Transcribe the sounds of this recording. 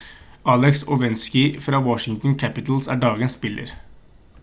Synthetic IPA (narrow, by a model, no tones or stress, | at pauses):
ɑːlɛksɔʋɛnskɪfɾɑːwɔʃɪŋt̪n̩kʰæpɪt̪l̩sæ̰ːɖɑːɡənsbɪlə̰ɾ